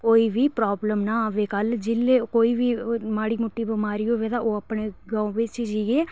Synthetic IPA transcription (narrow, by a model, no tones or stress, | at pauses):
koːiːʋiːpɾaːbləmnaːʋeːkəld͡ʒɪlːeːkoːiːʋiːmaːɽiːmʊʈːiːbəmaːɾiːoːʋɛːd̪aːʔoːəpɳeːɡãːõːʋɪt͡ʃd͡ʒieː